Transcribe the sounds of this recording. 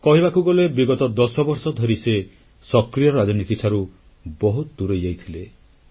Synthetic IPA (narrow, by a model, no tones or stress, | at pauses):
kɔɦibakuɡɔlebiɡɔt̪ɔd̪ɔsɔbɔɾsɔd̪ʱɔɾise | sɔkɾijɔɾad͡ʒɔnit̪iʈʰaɾu | bɔɦut̪ɔd̪uɾɔjd͡ʒajt̪ʰile